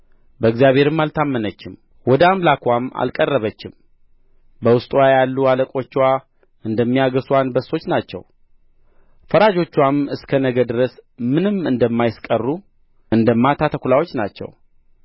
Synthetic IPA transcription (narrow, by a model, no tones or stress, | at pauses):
bəɨɡzijaβhe̞ɾɨmːalt̪ʰamːənət͡ʃːɪm | wɔd̪əamlakwama̰lkʼərːəβət͡ʃːɪm | bəwʊst̪ʼwajalːualəkʼo̞t͡ʃːwa | ɨnd̪əmːijaɡəswanbəso̞t͡ʃːnat͡ʃːɛ̰w | fəɾad͡ʒo̞t͡ʃːwamɨskʰənəɡəd̪ɨɾəsmɨnɨmːɨnd̪əmːajɪskʼərːu | ɨnd̪əmːat̪ʰat̪ʰəkʷulawo̞t͡ʃːnat͡ʃːɛ̰w